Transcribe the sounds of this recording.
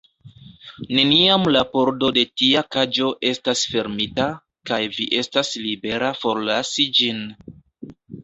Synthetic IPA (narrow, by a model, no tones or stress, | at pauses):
ne̞niamlapo̞ɾdo̞de̞tiakad͡ʒo̞ʔe̞stasfe̞ɾmita | kajviʔe̞staslibe̞ɾafo̞ɾlasid͡ʒin